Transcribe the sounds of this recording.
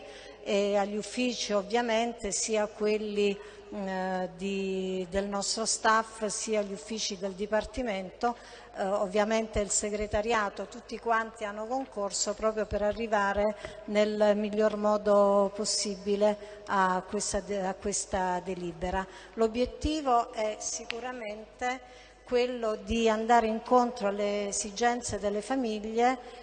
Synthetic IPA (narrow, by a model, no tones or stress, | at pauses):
eaʎːufːiːt͡ʃiovːjament̪esiːakwelːi | d̪id̪elnɔst̪ɾost̪afsiːaʎːufːiːt͡ʃid̪eld̪ipart̪iment̪o | ovːjament̪eilseɡɾet̪aɾjaːt̪ot̪ut̪ːikwant̪ianːokoŋkorsopɾɔːpɾjopeɾarːivaːɾenelmiʎːormɔːd̪oposːibile | akːwest̪aakːwest̪ad̪eliːbeɾa | lobːjet̪ːiːvoɛsikuɾament̪e | kwelːod̪iand̪aːɾeiŋkont̪ɾoalːeːzid͡ʒɛnt̪sed̪elːefamiʎːe